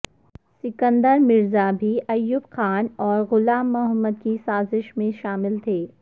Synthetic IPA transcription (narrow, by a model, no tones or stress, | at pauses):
sɪkə̃nd̪əɾmɪɾzabʱiʔɐjːubxaːnɔːɾɣʊlaːmːʊɦəmːəd̪kisaːzɪʃmẽʃaːmɪlt̪ʰeː